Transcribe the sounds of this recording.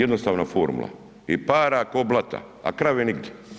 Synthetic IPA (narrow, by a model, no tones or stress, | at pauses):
ed̪nost̪aːʋnafoːɾmṵlˠa̰ | ipaːɾakoːblˠat̪a̰ | a̰kɾaʋeniɡd̪je